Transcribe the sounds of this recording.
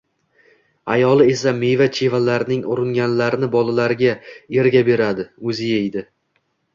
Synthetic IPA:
a̰jɒlˠɪe̞same̞jvat͡ʃʰe̞valaɾɪnɪŋʊɾɪŋɡʲanlaɾɪnɪbɒlˠalaɾɪɡʲae̞ɾɡʲabe̞ɾad̪ɪɵzɪjajd̪ɪ

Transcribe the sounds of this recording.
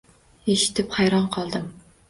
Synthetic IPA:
eʃi̥t̪ʰɪpχɑjɾɑnqʰɑlˠd̪ɨm

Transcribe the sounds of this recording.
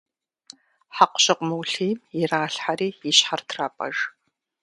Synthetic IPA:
ħaqʷʊ̥ɕʼɪqʷʼʊmɨwɬiːmjɪraːɬħariːjɪɕħartʰraːpʼɐ̰ʒ

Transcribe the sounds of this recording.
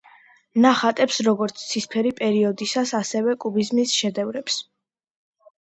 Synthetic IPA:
naχat̪ʼɛpsɾɔɡɔɾt̪sʰt̪sʰispʰɛɾipʼɛɾiɔd̪isasasɛvɛkʼubizmisʃɛd̪ɛvɾɛps

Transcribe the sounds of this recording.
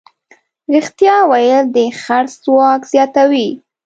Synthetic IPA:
ɾixt̪jɑwajəld̪əxaɾszwɑkz̥jɑt̪awi

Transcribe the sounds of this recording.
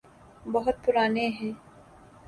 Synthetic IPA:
bɐɦʊt̪̚pʊɾaːneɦɛ̃ː

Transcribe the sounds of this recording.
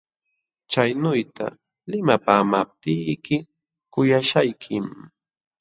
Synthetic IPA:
t͡ʃajnʊjt̪a̰ | lɪmapaːmap̚t̪ɪjkɪ | kʊjaʃajkʰɪm

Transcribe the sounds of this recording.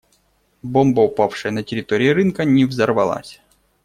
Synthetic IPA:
bɔmbɐʊpafʂɨjənɐtʲɪɾʲɪt̪oɾʲɪjiɾɨnkɐnʲɛvzɐrvɐlˠa̰sʲ

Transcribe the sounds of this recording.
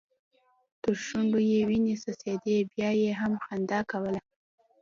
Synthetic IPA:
t̪əʃʊɳɖojewinesased̪ebjɑjeɦamxand̪ɑkawəla

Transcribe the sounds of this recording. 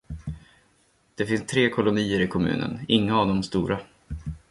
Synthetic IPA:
d̪̥ɛfɪnst̪ʰɾeːkʰɔlʊniːəɾɪkʰɔmʉ̟̰ːnʔə̰nɪŋːaːvd̪ɔmst̪uːɾʔa

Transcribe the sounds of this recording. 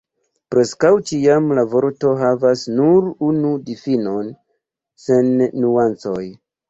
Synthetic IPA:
pɾe̞skawt͡ʃiamlavo̞ɾto̞ɦavasnuɾunudifino̞n | se̞nːuant͡so̞j

